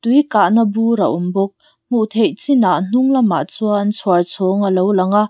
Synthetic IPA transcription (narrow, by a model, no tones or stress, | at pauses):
t̪ujkaʔnɐbuɾɐ̰ʔumbɔk̚ | muʔt̪ʰejt͡sinaʔn̥uŋlɐma̰ʔt͡suːnt͡sʰɔrt͡sʰɔŋəlowlɐŋaʔ